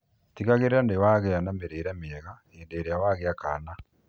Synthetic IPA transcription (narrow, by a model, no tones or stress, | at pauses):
tiɣaɣeɾeandewaɣɛanambeɾeːɾɛmeɛɣa | eːndeɾejawaɣeaka̰na